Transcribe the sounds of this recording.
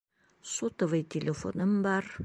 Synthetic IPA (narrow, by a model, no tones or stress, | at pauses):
sot̪ovəjt̪ʲʰelʲefo̰nəmbɑr